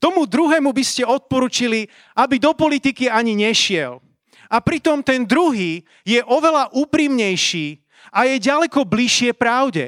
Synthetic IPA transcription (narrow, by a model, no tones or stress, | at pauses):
t̪ɔmud̪ɾuɦɛːmubiscɛɔt̪̚pɔɾuːt͡ʃili | abid̪ɔpɔlit̪ikiaɲiɲɛʃɪɛl | apɾit̪ɔmt̪ɛnd̪ɾuɦiː | jɛʔɔʋɛlaʔuːpɾimɲɛjʃiː | ajɛɟalɛkɔbliʃɪɛpɾaʊɟɛ̰